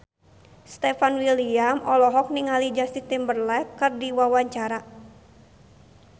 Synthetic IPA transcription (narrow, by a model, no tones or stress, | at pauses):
st̪ɛfanwiliamʔɔlɔɦɔk̚niŋalid͡ʒast̪it̪imbərlɛkɨrdiwawaɲt͡ʃaɾa